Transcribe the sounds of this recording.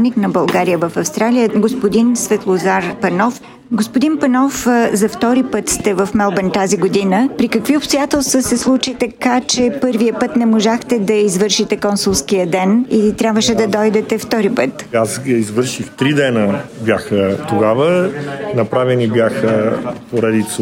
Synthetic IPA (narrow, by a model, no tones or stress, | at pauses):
niknɐbɐlˠɡaɾijəvɐfɐfst̪ɾalijəɡospod̪insvɛt̪lˠozaɾpɛnɔf | ɡospʊd̪inpɛnɔfzɐft̪ɔɾipɤt̪st̪ɛvɐfmɛlˠbɛnt̪aziɡod̪inəpɾikəkviʊpst̪ojat̪ɛlˠst̪vəsɛslˠut͡ʃit̪ɐkat͡ʃɛpɤɾvijəpɤt̪nɛmoʒaxt̪ɛd̪ɐizvəɾʃit̪ɛkɔnsulˠskijəd̪ɛnilit̪ɾʲabvəʃɛd̪ɐd̪ɔjd̪ɛt̪ɛft̪ɔɾipɤt̪asizvɤɾʃixt̪ɾid̪ɛnəbʲjaxət̪oɡavənɐpɾavɛnibjaxəpoɾɛd̪it̪s